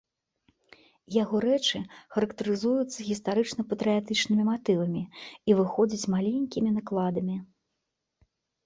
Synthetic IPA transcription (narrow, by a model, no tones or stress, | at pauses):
jaɣɔɾɛt͡ʂɨxɐɾɐkt̪ɐɾɨzujut̪sːɐɣʲist̪aɾɨt͡ʂnɐpɐt̪ɾɨjat̪ɨt͡ʂnɨmʲimat̪ɨvɐmʲiivɨxɔd͡zʲɐt͡sʲmalʲenʲkʲimʲinaklˠad̪ɐmʲi